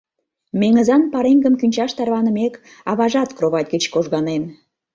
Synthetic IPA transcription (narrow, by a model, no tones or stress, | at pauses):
meŋəzɑnpɑɾeŋɡəmkynʲt͡ɕɑʃt̪ɑrβɑnə̆mek | ɑβɑʒɑt̪kroβɑt̪̚ʲɡət͡ɕkoʒɣɑnen